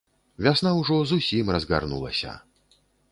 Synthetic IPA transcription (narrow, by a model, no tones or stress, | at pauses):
vʲasnawʐɔzusʲimrɐzɣa̰rnṵlˠɐ̰sʲɐ̰